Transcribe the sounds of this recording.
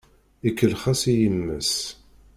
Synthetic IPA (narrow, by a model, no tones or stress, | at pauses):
ikːəlχæsijəmːə̰s